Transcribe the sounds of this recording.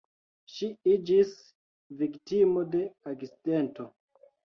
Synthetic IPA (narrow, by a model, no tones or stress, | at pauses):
ʃiid͡ʒis | viktimo̞de̞aɡsidento